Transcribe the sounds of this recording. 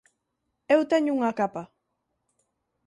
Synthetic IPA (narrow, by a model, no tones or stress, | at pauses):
ewt̪aɲʊŋakapa